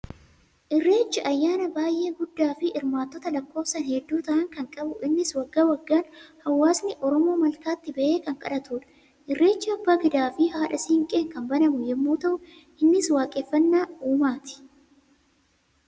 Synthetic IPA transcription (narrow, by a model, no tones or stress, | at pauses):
ʔɪrːe̞ːt͡ʃːɪʔɐjːaːnɐbaːjʔe̞ːɡʊd̪ːaːfɪʔɪɾmaːt̪ːɔt̪ɐlɐkːo̞ːfsɐnhɛd̪ːuːt̪ɐʔɐŋkɐŋkʼɐbʊʔɪnːɪswɐɡːaːwɐɡːaːnhɐwːaːsnɪʔɔɾɔmo̞ːmɐlkaːt̪ːɪbɐʔeːkɐŋkʼɐ̰ᶑɐt̪uːᶑɐ̥ | ʔɪrːe̞ːt͡ʃːɪɐbːaːɡɪd̪aːfɪɦaːᶑɐsiːŋkʼeːkɐmbɐnɐmʊjɛmːuːt̪ɐʔʊ | ʔɪnːɪswaːkʼɛfːɐnːaːuːmaːt̪ɪ̥